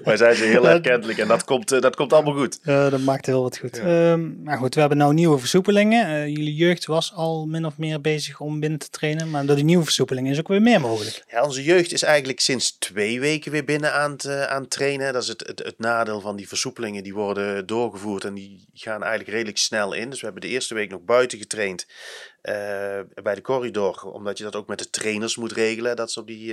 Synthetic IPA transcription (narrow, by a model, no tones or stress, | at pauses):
ʋɛjzɛjnzoɦɪːlˠɛkɛntələkɛndɑtkɔmtdɑtkɔmtɑlˠəmalˠxutːdɑtmaːk̚tɦɪːlˠʋɑtxutː | aːɹɣutʋəɦɛbənawniwəvəɹsupəlɪŋəjəlijøɥxtʋɑsɑlˠmɪnɔfmɪːɹbejzəxɔmbɪnətə̥trejnənmaːɹdʊːɹdiniʋəvəɹsupəlɪŋənɪs̬okʋɪːɹmɪːɹmowɣələkjaɔnzəjøɥxtɪsɛjɣən̩tləksɪnstʋejʋejkəʋɪːɹbɪnənaːnəta̰ːntrejnəɦɛdɑtɪsəttə̰tnaːdɪːlˠvɑndivəɹsupəlɪŋəndiʋɔrdədʊːɹɣəvuːɹtɛndi | ɣaːnɛ̰jɣənləkrejdələksnɛlˠɪ̰ndɵsʋəɦɛbəndəɪːɹstəʋejknɔxbœɥtəɣətrejntː | bɛjdəkɔridɔrɔ̰mdɑtjədɑtowk̚mɛt̚dətrejnəɹsmutrejɣələɛdɑtɪsəɔp̚di